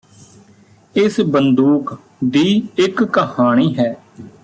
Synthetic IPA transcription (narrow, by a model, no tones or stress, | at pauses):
ɪsbənd̪uːk | d̪iːɪkːəhaːɽ̃iːɦɛː